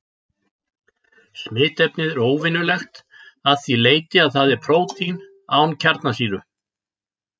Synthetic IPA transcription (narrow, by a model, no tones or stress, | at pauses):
smɪːt̪ɛpnɪðɛɾoːwvɪnːʏlɛxt̪ | aðθileːjt̪ɪaðθaðɛɾ̥pʰɾoːwt̪in | aːwncʰaɾt̪nasiːɾʏ